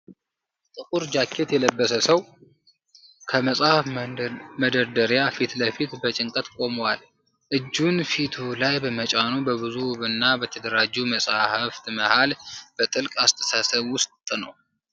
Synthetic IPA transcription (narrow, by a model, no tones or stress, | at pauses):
t̪ʼɨkʼuɾd͡ʒakʰːe̞t̪jɛləbːəsəsəw | kʰəməsʼahfməd̪əɾd̪əɾjafit̪ləfit̪bət͡ʃʼɪŋkʼət̪kʼo̞məwal | ʔɨd͡ʒːunfit̪ʰulajbəmət͡ʃʼanubəβɨzuβɨnːabət̪ʰəd̪əɾad͡ʒːuməsʼahɨft̪məhalb̥ət̪ʼɨlkʼast̪ʰə̥sasəβwʊst̪ʼnəw